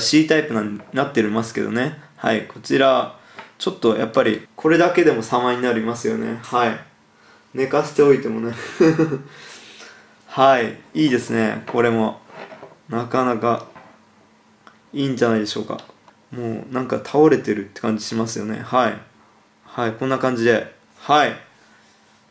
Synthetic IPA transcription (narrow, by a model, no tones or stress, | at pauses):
ɕiːt̪aipɯ̟nãɲ̟nat̪ːe̞ɾimasɨ̥ke̞̰d̪o̞̰ne̞ha̰ikʰo̞t͡ɕiɾa | t͡ɕo̞t̪ːo̞jʔa̰pːaɾʲikʰo̞ɾe̞d̪ake̞d̪e̞mo̞samaiɲ̟inaɾimasɨjo̞̰ne̞̰hai | ne̞kaɕe̥t̪e̞o̞it̪e̞mo̞ne̞ | haiiːd̪e̞sɨne̞̰ko̞ɾe̞mo̞ | nakanaka | iːɲ̟d͡ʑanaid̪e̞ɕo̞ːka̰ | mo̞ːnãŋkat̪ʰao̞ɾe̞t̪e̞ɾɯ̟t̪ːe̞̥kãɲ̟d͡ʑi̥ɕimasɨjo̞ne̞̰hai | haikõ̞nːakãɲ̟d͡ʑid̪e̞ | hai